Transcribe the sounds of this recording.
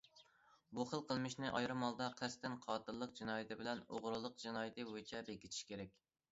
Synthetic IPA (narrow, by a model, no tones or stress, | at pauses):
buχəlˠqʰəlˠmɪʃnɪʔɑ̰jɾɨmɑlˠd̪ɑqʰæst̪ɪnqʰɑːt̪ɨɾlˠəq̚d͡ʒinɑːjɪt̪ʰɪbɪlɛno̰ʁɾulˠəq̚d͡ʒinɑːjɪt̪ʰɨwojt͡ʃʰɛbekʲʰit̪ʰi̥ʃkʲʰeɾɛkʲ